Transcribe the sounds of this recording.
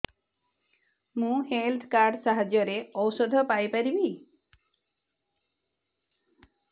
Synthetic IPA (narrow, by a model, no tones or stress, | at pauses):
mũhelt̪ʰkaɾɖsaɦad͡ʒjɔɾeɔwsɔd̪ʱɔpajpaɾibi